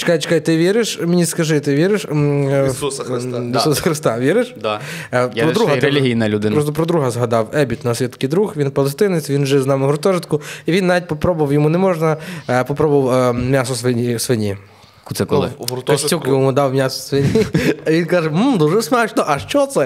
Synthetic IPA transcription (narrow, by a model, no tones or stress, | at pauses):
t͡ʃɪ̥kajt͡ʃe̥kajt̪ɪʋʲiɾɪʃmenʲiskɐʒɪt̪ɪʋʲiɾɪʃ | isusɐ̥xɾɪst̪ɑʋʲiɾɪʃ | pɾɔd̪uɦɐelʲiɦʲijnɐlʲʊd̪ɪɾɔst̪ɔpɾɔd̪ɾuɦɐzɦɐd̪ɑwɛbʲit̪nɐsʋit̪kʲɪd̪ɾuxʋʲinpɔlˠest̪ɪnɪt͡sʲʋʲinʒɪznɑmɪɦɔɾt̪ɔʒɪt̪kʊiʋʲinːaʋʲit̚ʲpɔpɾɔbʊʋɐwjɔmunɛmɔʒnɐpɔpɾɔbʊʋwmʲjasɔsʋenʲisʋenʲi | k̪sɛkˠɪkɐsʲtʲukjmud̪ɑwmʲjasɔ̥sʋenʲiɐʋʲinkɑʒɛmm̩d̪uʒɛsmɛt͡ʃnɔʔɐʃt͡ʃɔt̪sɛ